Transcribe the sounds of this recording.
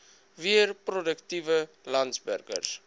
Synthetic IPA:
viərprodəktivə | lɐntsbæ̰rkə̰rs

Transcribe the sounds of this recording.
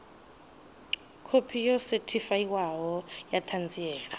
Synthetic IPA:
kʰopʰijɔsetʰifaiwaɦɔjat̪ʰand͡ziɛːɺa

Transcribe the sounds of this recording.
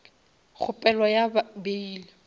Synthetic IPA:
χʰʊpʼɛlɔjabeiːlɪ

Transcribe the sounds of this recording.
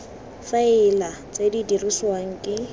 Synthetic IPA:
faɪlat͡sʼedidiriswaŋ̩kʼɪ

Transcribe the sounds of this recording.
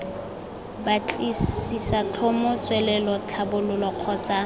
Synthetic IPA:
bat͡ɬʼisisat͡ɬʰɔmɔt͡sʼwɛlɛlɔt͡ɬʰabʊlʊlɔq͡χʰɔt͡sa

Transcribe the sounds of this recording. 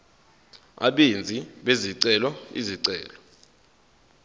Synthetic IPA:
a̰ɓend͡zʱiɓeziǀɛlɔḭziǀɛːlɔ

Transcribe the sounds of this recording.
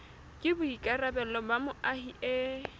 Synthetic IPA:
kʼɪbʊikʼarabɛlɔbamʊahiʔe

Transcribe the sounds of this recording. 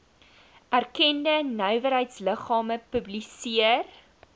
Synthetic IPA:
ʔærkɛndənœɥvəɾɦəjtsləχɑːməpɵblisiər

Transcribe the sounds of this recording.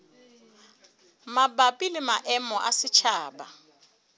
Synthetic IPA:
mabapʼilɪmaʔɛmɔʔasɪt͡ʃʰaːba

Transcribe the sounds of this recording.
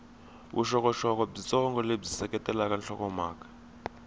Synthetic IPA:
wʔṵʃɔkɔʃɔk̬ʼɔb͡ʐit͡sʼɔŋɡɔleb͡ʐisɛkɛtʼɛlak̬anɬʰɔkɔmaːkḁ

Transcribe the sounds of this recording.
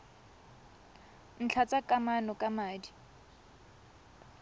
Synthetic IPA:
n̩t͡ɬʰat͡sʼakʼamanɔkʼamaːdi

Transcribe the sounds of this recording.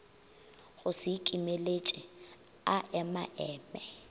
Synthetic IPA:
ɣʊsɪkʼimelet͡ʃʼɪ | aʔɛmaʔɛːmɛ

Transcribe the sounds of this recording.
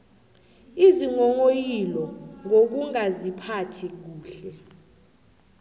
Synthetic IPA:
iziŋɔŋojilɔŋok̬uŋazipʰatʰik̬uːɬɛ

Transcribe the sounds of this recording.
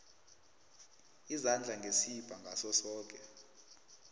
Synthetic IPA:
izand͡ɮʱaŋɡʱesib̥ʱaŋɡʱasɔsɔːk̬ʼɛ

